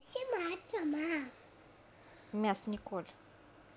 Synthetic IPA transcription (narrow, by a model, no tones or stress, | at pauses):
simaaiʈ͡ʂama | miasinikolə̥